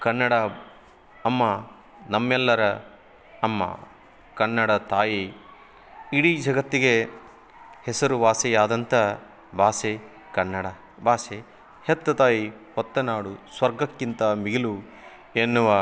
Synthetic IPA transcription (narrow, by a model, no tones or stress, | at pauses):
kɐnːɐɽɐː | mːɐ | nɐmːɛlːɐɾɐ | ɐmːɐ̰ | kɐnːɐɽɐt̪aːji | iɽid͡ʒɐɡɐt̪ːiɡe | hesɐɾuʋaːsɛjaːd̪ɐnt̪ʰɐ | bʱaːse | kɐnːɐɽɐ | bʱaːse | het̪ːɐt̪aːjihɔt̪ːɐnaːɽusʋɐɾɡɐkːint̪ɐmiɡilu | enːuʋɐ